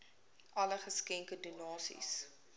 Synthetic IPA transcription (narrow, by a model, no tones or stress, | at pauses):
ʔɐləχəskɛŋkədunɑːsḭs